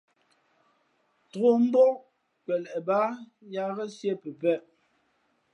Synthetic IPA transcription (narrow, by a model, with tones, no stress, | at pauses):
tɣo˦˨m̩˦bɔ˦ʔ | kɛ˨lɛ˨ʔba˦ | ja˦ɣə˦sje˦˨pə˨pɛ˦˨ʔ